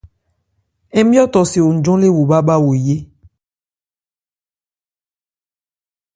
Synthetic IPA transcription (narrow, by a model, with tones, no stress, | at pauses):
e˦bi˦ɔ˦t̪ɔ˨se˨wo˨d͡ʒɔ̃˦le˦wo˨ba˦ba˦wo˨je˦